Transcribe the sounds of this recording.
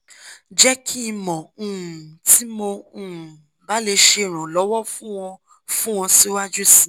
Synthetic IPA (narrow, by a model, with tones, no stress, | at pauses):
d͡ʒɛ˦kʰi˦˧mɔ̃˨ũ˦˨tʰi˨˦mo˧ũ˦˨ | ba˨˦le˧ʃe˧˨ɾ̃ã˨lɔ˨˦wɔ˦fũ˦w̃ɔ̃˧ | fũ˦w̃ɔ̃˧si˦wa˦d͡ʒu˦sĩ˦˨